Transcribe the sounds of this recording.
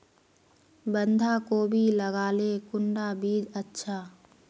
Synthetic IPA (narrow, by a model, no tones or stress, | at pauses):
bə̃nd̪ʱakoːbʱiləɡaːlekʊɳɖabiːd͡ʒətːʃʰaː